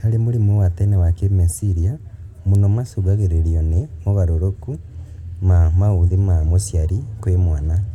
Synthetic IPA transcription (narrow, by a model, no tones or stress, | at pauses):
kaɾemoɾimowatɛnewakemesiɾia | monɔmasoɡaɣeɾeɾiɔnemoβaɾoɾokumamauðimamosjaɾikwemwana